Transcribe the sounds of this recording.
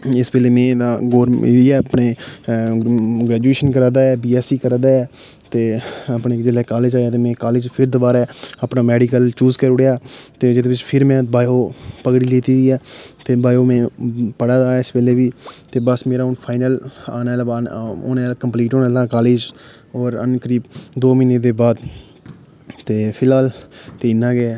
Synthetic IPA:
ɪsbeːleːmɛ̃ːd̪aːɡoːɾiɛːəpneː | ɡɾɛːd͡ʒueːʃənkəɾaːd̪aːɛːbiːɛːsiːkəɾad̪aːɛːt̪eːəpneːd͡ʒɪlɛːkaːleːd͡ʒaːjaːt̪eːmɛ̃ːkaːleːd͡ʒpʰɪɾd̪oːbaːɾɛːəpnaːmɛːɖikəlt͡ʃuːzkəɾʊɽejaːt̪eːd͡ʒɪd̪eːbɪt͡ʃpʰɪɾmɛ̃ːbaːjoːpəkɽiːleːt̪iːd̪iːɛːt̪eːbaːjoːmɛ̃ːpəɽaːd͡ʒaːaːɪsbeːleːʋiːt̪eːbəsmeːɾaːʊnpʰaːɪnəla̰ːnɛːlbaːo̰ːnɛːlkəmpliːʈoːnaːlaːkaːleːd͡ʒ | ɔːɾə̰nkəɾiːbd̪oːmiːneːd̪eːbaːd̪ | t̪eːpʰɪlaːlt̪eːɪnːãːɡeː

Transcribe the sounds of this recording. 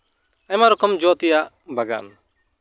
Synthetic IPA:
ajmaɾɔkɔmd͡ʒɔt̪ɛjaʔ | baɡa̰n

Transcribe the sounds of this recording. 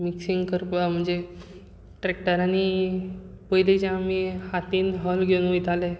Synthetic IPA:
miksiŋɡkəɾpəm̤əɳd͡ze | ʈɾek̚ʈəɾani | pəɦiled͡ʑãamihat̪iːnɦəlɡʱeunʋojt̪ale

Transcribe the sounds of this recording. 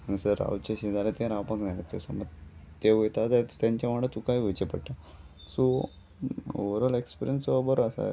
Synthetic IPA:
ənisəɾa̰ut͡ɕaɕed͡zalet̪ẽɾawpãkd͡zaɾat͡səsa̰mət̪eʋet̪at̪at̪t̪jaɲt͡ɕjaʋaɽət̪ukaiʋət͡ɕepəɽʈ̪a | so | o̰ʋəɾəlekspiɾjənsbəɾoasa̰

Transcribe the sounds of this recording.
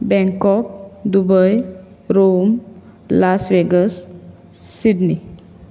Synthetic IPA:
bɛ̃ŋkɔk̚d̪ubəj | ɾom | lasʋeɡəsː | iɖni

